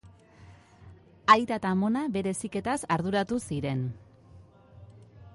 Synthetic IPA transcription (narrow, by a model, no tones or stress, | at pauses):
ajt̪at̪amo̞naβe̞ɾe̞sike̞t̪asaɾðuɾat̪usiɾe̞n